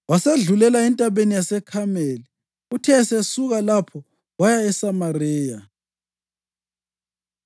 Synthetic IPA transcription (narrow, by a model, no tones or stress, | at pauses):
waseɮulɛlaɛntʼaβenijasɛkʰameli | utʰɛsesuɣalapʰɔ | wajaɛsamarɛːja